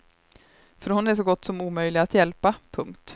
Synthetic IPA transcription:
fœɾhʊnæʂɔɡɔt̪ːsɔmuːmœjlɪɡat̪jɛlpapʰɵŋkt̪

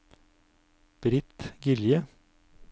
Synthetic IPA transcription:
b̥ɾɪt̪ɡɪljə

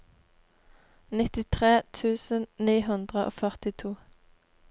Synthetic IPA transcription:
nɪt̪ɪt̪ʰʁeːt̪ʰʉːsənniːɦʉnd̪ʁəʔo̰ːfœʁt̪ɪt̪ʰuː

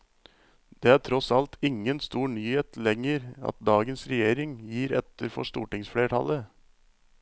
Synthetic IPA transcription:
d̪̥eːæːʈʰɾɔsɑlt̪ʰɪŋːənst̪uːɳyːheːt̪lɛŋəɾɑ̰t̪̚d̪ɑːɡənsɾɛjeːɾɪŋjiːɾɛt̪ːəɾfɔ̰ʂt̪ṵːʈɪŋsfɽeːʈʰɑ̰lə

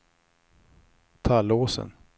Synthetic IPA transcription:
t̪ʰaloːsə̰n

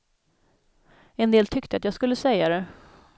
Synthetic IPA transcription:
ɛnd̪eːlt̪ʰʏkt̪əat̪jɑːɡskɵlːəsɛjːad̪ɛ

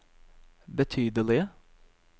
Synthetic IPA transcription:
bət̪ʰyːd̪əlɪ

